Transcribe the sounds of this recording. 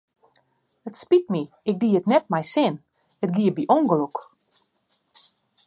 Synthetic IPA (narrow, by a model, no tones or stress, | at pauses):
ətspit̚mi | ɪk̚diːətnɛt̚mɛjsɪn | ətɡiəbiʔɔŋɡəluk